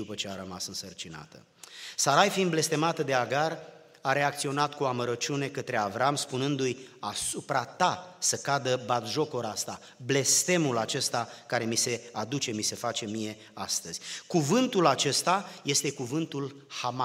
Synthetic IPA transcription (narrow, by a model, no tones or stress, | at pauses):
upət͡ʃe̞aɾəmasɨnsərt͡ʃina̰t̪ə̰ | saɾajfin̚ble̞st̪e̞mat̪əd̪e̞aɡar | aɾe̞ak̚t̪sio̞nat̪kuaməɾət͡ʃune̞kət̪ɾe̞avɾamspunɨnd̪ujasupɾat̪asəkad̪əbat̪ʒo̞ko̞ɾast̪a | ble̞st̪e̞mulat͡ʃe̞st̪akaɾe̞mise̞ad̪ut͡ʃe̞mise̞fat͡ʃe̞mije̞ | ast̪əz̥ʲkuvɨnt̪ulat͡ʃe̞st̪aje̞st̪e̞kuvɨnt̪ul | hama